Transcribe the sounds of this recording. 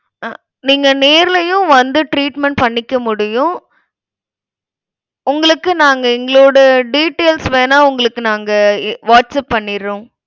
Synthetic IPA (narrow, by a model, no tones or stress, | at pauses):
niːŋɡɐneːɾlɐjʊ̃ʋɐnd̪ɯʈɾiːʈmɛɳʈ̚pɐɳːɪkːɐmʊɽɪjʊ̃ | ʊŋɡɐɭɯkːɯnaːŋɡɐɪŋɡɐɭoːɽɐɖiːʈːeːlsʋeːnaːʊŋɡɐɭɯkːɯnaːŋɡɐʋaːʈsɐpːɐɳːɪɾõː